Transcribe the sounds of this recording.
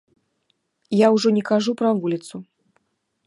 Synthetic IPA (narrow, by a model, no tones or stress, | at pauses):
jawʐɔnʲɛkaʐupɾɐvulʲit̪su